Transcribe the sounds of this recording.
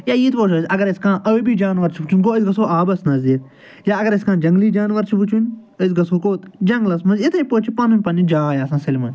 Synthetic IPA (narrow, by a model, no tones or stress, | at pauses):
jaːjiːt̪ʰpoːt͡ʃʰoːsʲɐɡɐɾɪskãːʔɐʋibiːd͡ʒaːnʋɐɾt͡ʃʰiut͡ʃʰunʲɡoːisɡɐsoːʔaːbɐsnɐziːt̪̚ | jaːɐɡɐɾɐskãːd͡ʒɐŋɡliːd͡ʒaːnʋɐɾt͡ʃʰiʋut͡ʃʰunʲ | əzɡɐsoːkoːt̪d͡ʒɐŋɡlɐsmɐnzit̪ʰɐpoːt͡ʃʰipɐnumʲpɐnid͡ʒaːjaːsãːsɪlmɐ̃